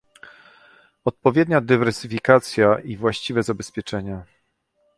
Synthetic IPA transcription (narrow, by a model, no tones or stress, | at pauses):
ɔt̪̚pɔvʲjɛd̪ɲad̪ɘvɛɾsɘfʲikat̪sʲjaʔivwaɕt͡ɕivɛzabɛspʲjɛt͡ʂɛɲa